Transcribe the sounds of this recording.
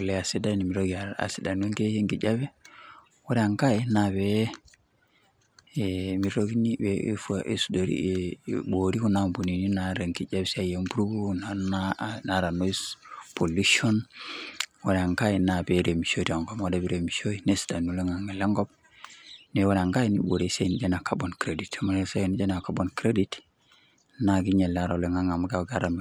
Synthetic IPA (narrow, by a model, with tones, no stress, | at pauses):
u˨lea˨si˦da˦ni˨mi˨ɾoɡi˨aa̰˨si˨da˨nu˦ŋke˦je˦ŋki˨d͡ʒa˦bɛ˦ | wo˦ɾɛ˦a˨ŋka˦i˦na˨be | mi˨ɾo˦ɡi˦ni˦bḛ˦fu˦aʔḛ˨sudo˨ɾḭɓo˨ɾi˦ku˦nambu˨ni˨ni˦naɾe˨ŋki˨d͡ʒabsa˦jempu˦ɾu˦bu˦naana˨ɾa˨no˦ispo˨lu˦ʃo˦n | wo˨n˨a˨ŋka˦ina˨be˨ɾe˨mi˨ʃo˦to˨ŋɡo˨mo˨da˨bi˨ɾe˨mi˨ʃo˦ine˦sda˨nu˨le˦ŋa˨ŋe˨le˦ŋɡo˦b̚ | ne˨wo˦na˨ŋka˦i˦nḭ˦bo˨ɾe˨se˦˨ni˨d͡ʒe˦na˨ka˨bo˨nkɾe˨di˨tma˨ne˨se˦˨ni˦d͡ʒe˦na˨ka˨bonkɾe˦di˦t | na˨ɡi˦ɲe˨la˦ɾa˨le˦ŋa˦ŋa˨m˦ɡaɡa˦ɾa˨mi˨